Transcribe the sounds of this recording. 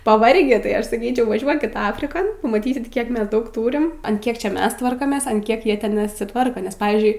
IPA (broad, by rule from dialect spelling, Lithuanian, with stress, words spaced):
pɐˈʋɐrʲɡʲiː tɐɪ ˈɐʃ sɐˈkʲiːt͡ʃʲɛʊ ʋɐˈʒʲuɔkʲɪt ˈɑːfʲrʲɪkoːn pɐmɐˈtʲiːsʲɪt ˈkʲiɛk ˈmʲɛs ˈdɐʊk ˈtuːrʲɪm ɐn ˈkʲiɛk ˈt͡ʃʲɛ ˈmʲɛs ˈtʋɐrkoːmʲeːs ɐn ˈkʲiɛk ˈjiɛ ˈtʲɛn nʲɛsʲɪˈtʋɐrkoː nʲɛs ˈpɑːʋʲiːzʲd͡ʒʲʊɪ